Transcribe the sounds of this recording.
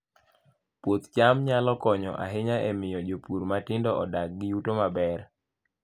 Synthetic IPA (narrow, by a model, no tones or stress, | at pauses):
pot̪t͡ʃamɲalɔkɔɲɔ̰ʔa̰ɦɪɲaʔemɪjɔd͡ʒopuɾmatɪndɔɔ̰dak̚ɡɪjutomabɛr